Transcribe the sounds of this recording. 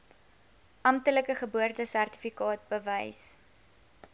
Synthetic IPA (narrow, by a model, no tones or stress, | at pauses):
ʔɐmtələkəχəbuərtəsærti̥fikɑːt̚bəvəjs